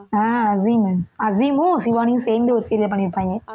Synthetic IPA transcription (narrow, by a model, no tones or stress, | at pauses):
aːɐzimɐzimʊ̃sɪʋaːnijʊ̃seːnd̪ɯɔɾɯseːɾlɛp̬ɐɳːɪɾɯpːãːŋɡẽ